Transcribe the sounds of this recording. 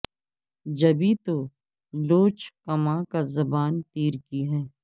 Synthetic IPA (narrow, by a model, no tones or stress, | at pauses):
d͡ʒɐbit̪o | loːt͡ʃkɐmãkazɐbaːnt̪iːɾkiɦɛː